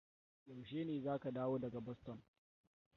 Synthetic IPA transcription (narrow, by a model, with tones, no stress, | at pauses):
jɐ˨wʃeː˦neː˨zaː˦ka˨daː˦woː˦dɐ˨ɡa˨bɔ˦stɔ˨n